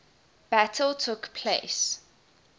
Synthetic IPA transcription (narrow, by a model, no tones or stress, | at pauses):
b̥ætʰəltʰʊkpʰles